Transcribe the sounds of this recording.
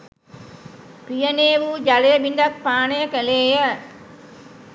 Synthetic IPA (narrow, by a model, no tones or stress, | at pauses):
pijɐneːʋud͡ʒɐlɐjɐbind̪ɐk̚paːnɐjɐkɐleːjɐ